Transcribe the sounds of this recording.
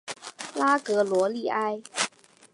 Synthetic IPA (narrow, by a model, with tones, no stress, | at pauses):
la˥kɤ˧˥lwɔ˧˥li˥˩ʔa˥ɪ